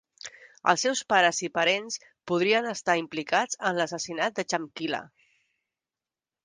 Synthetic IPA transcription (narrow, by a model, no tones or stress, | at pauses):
ə̰lˠsːɛwspaɾəzipəɾens | puðɾiənəst̪aimplikad͡zənləsəsinat̪̚d̪ət͡ʃəmkilə̰